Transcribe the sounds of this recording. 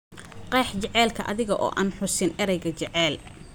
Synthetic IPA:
qɛːħt͡ʃɛʕɛːlkʰɐʔɐ̰ðɪɣɐʔɔ̰ːʔaːnħʊsɪnʔɛɾɛjɣɐt͡ʃɛʕɛːl

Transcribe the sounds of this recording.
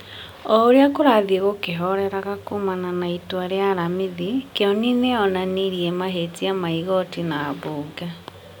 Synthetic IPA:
ɔoɾeakoɾaðieɣokeɦɔɾɛɾaɣakomananaitwaɾeaɾamiðikeɔnineɔnaneɾiemaɦetiamaiɣɔtinaːβoɡa

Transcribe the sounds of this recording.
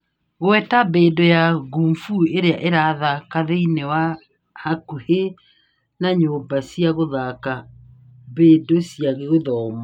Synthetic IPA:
ɣoɛtabedojaɣumfueɾeaʔeɾaðakaðeinewa | hakuhe | naɲobasiaɣoðaka | bedosiaɣeɣoðɔma

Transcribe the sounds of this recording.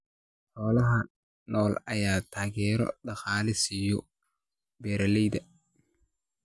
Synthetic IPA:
hɔːlɐɦɐ | nʔɔːlɐjaːt̪ʰaːɣɛːɾɔ̰ɖɑqɑːlɪsɪjɔ | bɛːɾɐlɛjdɐ

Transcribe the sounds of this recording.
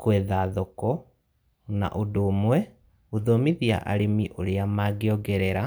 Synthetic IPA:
kwɛðaðokɔ | na̰ʔodoːmwɛ | oðomiðia̰ʔa̰ɾemiʔoɾeamaːɡeɔɡɛɾɛɾa

